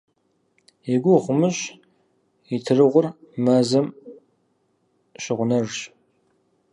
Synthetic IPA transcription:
eɡʷʊʁʷʊmɨɕ | itʰɨrɨʁʷʊrmɐzɐm | ɕɪʁʷʊnɐrɕ

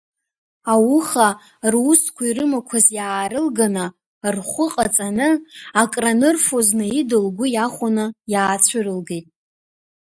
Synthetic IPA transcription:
awʊχa | ruskʷʰairɨmakʷʰazjaːɾɨlɡana | rχʷʊqʼat͡sʼanɨakʼranɨrfoznɨidɨlɡʷʊjaχʷanɨjaːt͡sʷʰʊɾɨlɡejtʼ

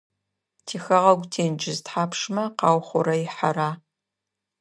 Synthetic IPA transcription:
tʰiːxɐʁɐɡʷtʰeːnd͡ʒɪztħaːpʰʂmɐqɑːwχʷʊɾɐjɪħaɾaː

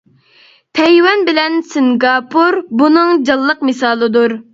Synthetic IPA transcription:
pʰɛjwɛnbɪlɛnsɨŋɡɑpʰuɾbunɨŋd͡ʒɑlˠːəqmɨsɑːlˠɨd̪uɾ

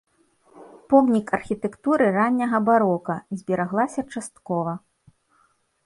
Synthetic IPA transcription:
pɔmnʲikɐrxʲit̪ɛkt̪uɾɨɾanʲːɐɣɐbaɾɔkɐzʲbʲiɾaɣlˠasʲɐt͡ʂast̪̚kɔvɐ

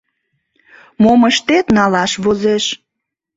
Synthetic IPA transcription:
moməʃt̪et̪nɑlɑʃβozeʃ

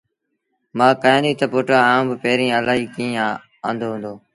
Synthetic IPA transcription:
mãːkaːẽːnd̪iːt̪əpoːʈaːãːbpeːɾĩːəlaːɦiːkĩːaː | ə̃ːnd̪oːɦʊ̃nd̪oː

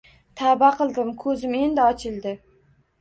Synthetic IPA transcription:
t̪ʰabaqʰɨlˠd̪ɪmkʰɵzɪme̞nd̪ɪɒt͡ʃʰɪlˠd̪ɪ

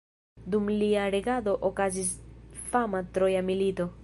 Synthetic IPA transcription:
d̪umliaɾeɣaðoʔokaz̬isfamat̪ɾojamilit̪o

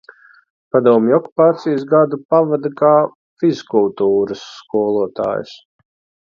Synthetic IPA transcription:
pad̪uɔmjɔku̥paːt̪sijsɡad̪upavad̪akaː | fizkulˠt̪uːɾɐsːkuɔlˠuɔt̪a̰ːjṵs

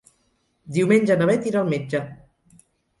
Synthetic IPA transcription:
d̪iwmenʲd͡ʒənaβɛt̪iɾalˠmed͡ʒə

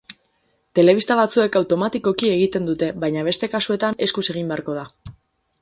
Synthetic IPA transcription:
t̪e̞le̞βist̪aβ̞at͡sue̞kawt̪o̞mat̪iko̞kieɣit̪e̞nd̪ut̪e̞βajɲaβ̞e̞st̪e̞kasue̞t̪ane̞skuse̞ɣ̞imbe̞aɾko̞ð̞a

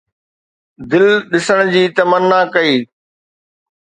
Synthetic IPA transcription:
d̪ɪlɗɪsəɽ̃ʊd͡ʑiːt̪ɐmənːakɐiː

